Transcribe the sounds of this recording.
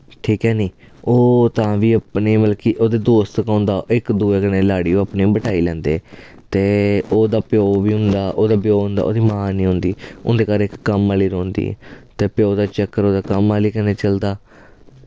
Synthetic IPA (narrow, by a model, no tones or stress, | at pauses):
ʈʰiːkɦɛːniː | oːt̪ãːʋiːəpneːməlkiːʔoːd̪eːd̪oːst̪kãːnd̪aːɪkd̪uːeːkəneːlaːɽiːoapnĩːbəʈʰaːiːlɛ̃ːnd̪ḛː | t̪eːoːd̪aːpɪjoːʋiːɦʊ̃nd̪aːʔoːd̪aːbjoːɦʊ̃nd̪a̰ːo̰ːd̪iːmaːnĩːɦʊ̃nd̪iːʊ̰nd̪eːkaːɾeːɪkːəmaːliːɾoːnd̪ḭːt̪eːpɪjoːd̪aːt͡ʃəkːəɾoːd̪aːkəmːaːliːkəneːt͡ʃəld̪aː